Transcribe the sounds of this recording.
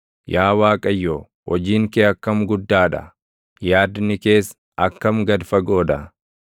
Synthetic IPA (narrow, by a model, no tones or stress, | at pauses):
jaːwaːkʼɐjːoː | wɔd͡ʒiːŋkeːɐkːɐmɡʊd̪ːaːᶑɐ̰ | jaːd̪nɪke̞ːs | ɐkːɐmɡɐd̪fɐɡoːd̪ɐ